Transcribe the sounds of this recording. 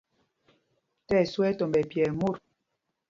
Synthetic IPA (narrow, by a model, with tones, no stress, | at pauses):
tɛ˦˨swɛ˦tɔ˨mbɛ˨pjɛ˨mu˦˨ɾ